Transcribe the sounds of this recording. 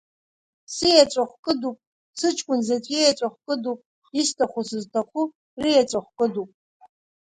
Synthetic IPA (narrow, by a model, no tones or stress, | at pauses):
sijat͡ʃʷʼaχʷkʼɨdupʼ | sɨt͡ʃʼkʷʼʊnzat͡sʷʼejat͡ʃʷʼaχʷkʼɨdupʼ | istʰaχʷusɨztʰaχʷu | rijat͡ʃʷʼaχʷkʼɨdupʼ